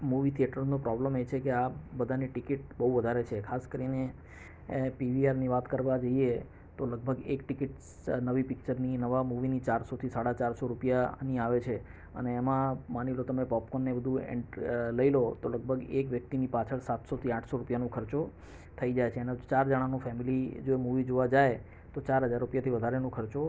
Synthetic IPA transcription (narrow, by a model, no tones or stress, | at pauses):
muʋit̪ʰieʈəɾnõpɾɔbləmet͡ʃʰekeabəd̪ʱaneʈɪkiʈ̚bəɦuʋəd̪ʱaɾet͡ʃʰekʰaskəɾine | piʋiaɾniʋat̪kəɾʋad͡ʒoie | t̪oləɡ̚bʱəɡekʈɪkiʈ | nəʋipɪk̚t͡ʃəɾninəʋamuʋinit͡ʃaɾsot̪ʰisaɽat͡ʃaɾsoɾupjaniaʋet͡ʃʰe | ə̰neːmãmanilot̪əmepɔpkonːebəd̪ʱũḛɳʈləilot̪oləɡ̚bʱəɡekʋjək̚t̪inipat͡ʃʰəɭsat̪sot̪ʰiãʈʰsoɾupjanũkʰəɾt͡ʃo | t̪ʰəid͡ʒajt͡ʃʰenet͡ʃaɾd͡ʒəɽ̃ãnũfɛmilid͡ʒoemuʋid͡ʒoʋad͡ʒae | t̪ot͡ʃaɾɦəd͡ʒaɾːupjat̪ʰiʋəd̪ʱaɾenũkʰəɾt͡ʃo